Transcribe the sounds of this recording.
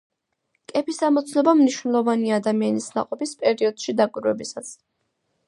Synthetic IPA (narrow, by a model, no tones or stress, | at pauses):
kʼɛpisamɔt̪sʰnɔbamniʃwnɛlˠɔvaniaːd̪amianisna̰qʼɔpispʼɛɾiɔd̪̥ʃid̪akʼwiɾwɛ̰bisat̪sʰ